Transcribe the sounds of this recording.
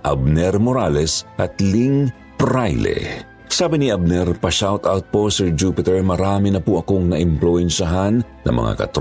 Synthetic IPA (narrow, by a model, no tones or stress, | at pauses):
ʔɐ̰b̚nɛɾmoɾalɛsʔɐt̪liŋ | pɾajlɛ̰ | saːbɪniʔɐb̚nɛɾpɐʃawt̪awt̪̚po̞sɛɹd͡ʒupɪt̪ɛɹmɐɾaːmɪnɐpʊʔɐkoŋnɐʔɪmplʊɛnʃɐɦanːɐ̰ŋmɐ̰ŋa̰kɐ̰t̪ɾ